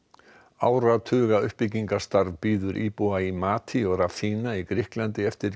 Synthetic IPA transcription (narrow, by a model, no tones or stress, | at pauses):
aːwɾat̪ʰʏːɣaʏhpɪciŋkast̪aɾvpiːðʏɾʔipuaimaːt̪ʰiɔɣraθiːnaikɾɪhklant̪ɪɛft̪ɪɾ